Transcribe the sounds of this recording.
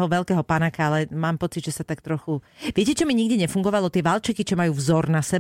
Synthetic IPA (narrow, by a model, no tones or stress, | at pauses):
ɦɔʋɛlkɛːɦɔpanakaalɛmaːmpɔt͡sid̪ʒɛsat̪ak̚t̪ɾɔxuʋɪɛcɛt͡ʃɔmiɲiɡɟɛɲɛfuŋɡɔʋalɔt̪ɪɛʋalt͡ʃɛkit͡ʃɔmajuːvzɔɾnasɛ